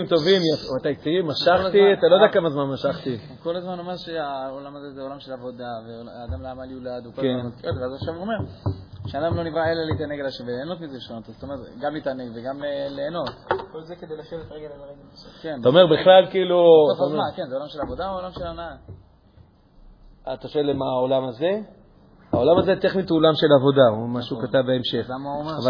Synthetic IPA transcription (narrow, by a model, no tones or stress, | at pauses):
imt̪o̞vimjafat̪ajet͡siʁimaʃaχt̪iat̪alod̪akːamazmanmaʃaχt̪i | ko̞lazmano̞meʁʃeaolamazezeolamʃelavo̞d̪aveːd̪amlaːmaljulad̪ukokeootveazaχʃavome̞ʁ | ʃead̪amlo̞nivʁaeleliit̪aneɡalaʃemveleːno̞t̪mizebeʃenot̪azt̪omeʁet̪ɡamliːt̪aneɡveɡamleleːno̞t̪kolzeked̪ejlaʃevet̪aʁeɡelalaneɡ | kentaomeʁbiχlalkiːlutomakenzeolamʃelavo̞d̪aolamʃelanaa | at̪aʃoelemaolamaze̞ | a̰o̞lamazet̪eχnit̪olamʃe̞lavo̞d̪aumaʃukat̪avbeemʃeχamamaava